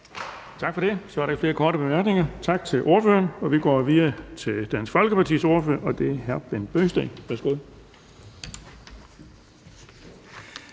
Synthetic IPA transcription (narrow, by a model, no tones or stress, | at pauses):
t͡sʰɑ̈ɡ̥fɒ̽d̥e̝sɒæɐɾɑfle̝ːɐkʰɒːdɾəb̥emæɐɡ̥ne̝ŋɐt͡sʰɑ̈ɡ̥̚t͡sʰe̝lʔo̝ɐføːɐnɒ̽ʋiɡ̥ɒ̰ːʋiðˠɐt͡sʰe̝ld̥ænsfɒ̽lɡ̥əpʰɑ̈t͡sʰḭːso̝ɐfø̰ɐʔɒ̽d̥e̝æɐɦæɐb̥enb̥øːsd̥eːʋæɐsɡ̥o̝ð̰ˠ